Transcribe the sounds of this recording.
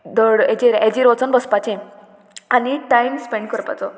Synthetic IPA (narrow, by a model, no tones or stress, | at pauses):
d̪əɽet͡ɕeɾed͡ʑiɾɔt͡sənbəspat͡ɕẽ | aniʈajmspeɳɖkəɾpa̰t͡sɔ